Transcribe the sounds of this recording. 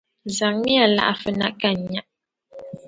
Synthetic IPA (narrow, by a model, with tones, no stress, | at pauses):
za˨ŋmi˦a˨la̰˦ʔa˨fɨ˦na̰˦ʔka˦˨ɲ˨ɲa˦ʔ